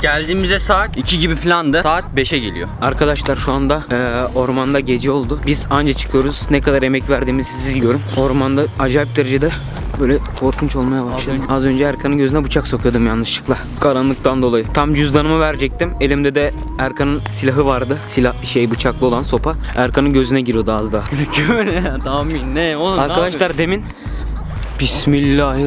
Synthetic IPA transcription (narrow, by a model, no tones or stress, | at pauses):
ɟælʲd̪iːmizɛsaːt̪icʰiɟibiflʲand̪ɯsaːt̪̚be̞ʃɛɟelʲḭjo̰aɾkʰad̪aʃlˠaɾʃuand̪ao̞ɾmand̪aɟe̞d͡ʒio̞lˠd̪ʊbizand͡ʒat͡ʃʰɯ̥kʰɯjo̞ɾuz̥nɛkad̪aɾe̞mɛcvæɾd̪iːmizizɟjøɾumo̞ɾmand̪aad͡ʒaːjip̚d̪eɾed͡ʒed̪ɛ | bøjlʲɛkʰo̞ɾkʰunt͡ʃo̞lˠmajabaʃlazø̞nd͡ʒɛæɾkʰanɯnɟø̞zynɛbut͡ʃʰakso̞kʰɯjod̪umjanːɯʃlˠɯ̥klˠa | kʰaɾanlˠɯk̚t̪ʰand̪olˠajɯt̪ʰamd͡ʒyzd̪anɯmavæɾd͡ʒɛc̚t̪ime̞lʲimd̪ɛd̪ɛ | æɾkʰanɯnsilʲaɦɯvaɾd̪ɯsilʲahbiʃejbut͡ʃʰaklˠɯo̞lˠanso̞pʰa | æɾkʰanɯnɟø̞zynɛɟiɾijo̞d̪uazd̪anɛt̪ʰamːinːɛoaɾkad̪aʃlˠaɾd̪e̞min | bismilʲːaɦɯ